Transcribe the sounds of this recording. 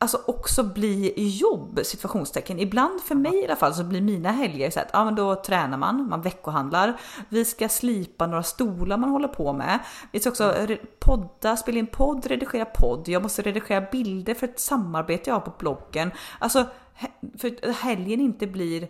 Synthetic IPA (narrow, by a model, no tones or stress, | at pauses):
alsɔʔɔksɔbliːjɔbːsɪt̪vaɧuːnst̪ʰɛkːənɪbland̪fœɾmɛjalːafalːsɔblɪɾmiːnaɦɛljaɾsa̰ːɾat̪ʰɑ̰ːmɛnd̪ɔt̪ʰɾɛːnaɾma̰nma̰nvɛkːʊɦand̪laɾvɪskasliːpanoːɾast̪uːlaɾmanhɔlːəɾpʰɔmɛ̰vɪskaɾɔksɔɾɛpʰɔd̪ːaspeːlaɪnpʰɔd̪ːɾɛd̪ɪɧeːɾapʰɔd̪ːjɑːɡmɔst̪əɾɛd̪ɪɧeːɾabɪld̪əɾfœɾɛt̪samːaɾbeːt̪əjɑhaɾpʰɔblɔɡːənʔalsɔ | hfœhɛljənɪnt̪əbliːɾ